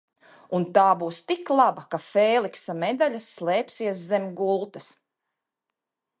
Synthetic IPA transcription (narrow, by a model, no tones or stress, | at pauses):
unt̪aːbuːst̪iklˠabɐkafeːlˠiksamɛd̪aʎʲasːlˠɛːpsiɛszɛmʲɡulˠt̪ɐs